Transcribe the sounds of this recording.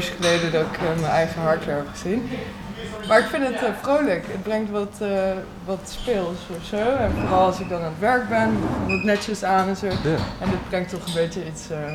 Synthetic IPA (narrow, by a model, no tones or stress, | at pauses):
sχəlejdədɑtɪkmənɛjχəɦɑɹtɛɹpχəz̥in | maːɹɪkfɪndətfrowləkət̚brɛŋk̚tʋɑt | ʋɑtspɪlˠsɔfsowɛnfoːrɑlˠɑlˠsɪk̚dɑnaːnətʋɛɹk̚bɛntnɛtsəsaːnɛnzowɛndɪt̚brɛŋk̚tɔχənbejtəits